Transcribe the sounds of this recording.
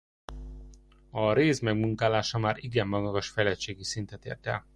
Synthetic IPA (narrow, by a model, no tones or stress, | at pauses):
ɒɾeːzmɛɡmuŋkaːlaːʃɒmaːɾiɡɛmːɒɡɒɡɒʃfɛlɛt͡ʃeːɡisint̪ɛt̪ḛːrt̪ɛ̰l